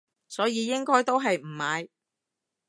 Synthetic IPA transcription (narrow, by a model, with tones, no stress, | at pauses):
sɔː˨˥jiː˨˧jɪ˥ŋkɔː˥jt̪o˥wɦɐ˨jm̩˨˩maː˨˧j